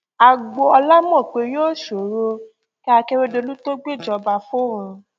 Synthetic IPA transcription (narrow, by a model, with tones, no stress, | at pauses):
a˨ɡ͡bo˧ɔ˧la˦mɔ̃˦˨k͡pe˧joː˦˨ʃo˨ɾo˧ | ki˦a˧ke˧˦ɾe˧de˧lu˦to˦ɡ͡be˦˨d͡ʒɔ˧ba˧fo˦ɾũ˧